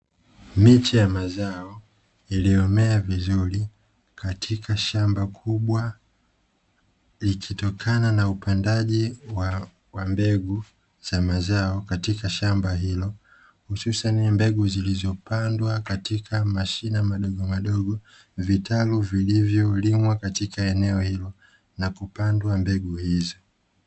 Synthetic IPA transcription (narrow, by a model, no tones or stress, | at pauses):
mitijamazaɔ | iliɔmɛavizuɾi | kʰatʰikʰaʃambakʰuɓwa | likʰitɔkʰananaupandaʄiwa | wambɛɡu | z̥amazaɔkatikaʃambaɦilɔ | hususanmbɛɡuzilizɔpandwakatikʰamaʃinamaɗɔɠɔmaɗɔɠɔ | vitʰaluvilivjɔlimwakatikaɛnɛɔhilɔ | nakupandwambɛɡuhizɔ